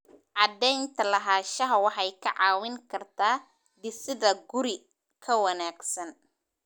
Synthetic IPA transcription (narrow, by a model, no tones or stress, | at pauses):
ʔɑd̪ɛjnt̪ʰɐlɐɦaːʃɐɦɐwɑħɑjkʰɐʕɑːwɪŋkʰɐrt̪ʰaː | d̪ɪsɪðɐɡʊɾɪ | kʰɐwɐnaːɡsɐn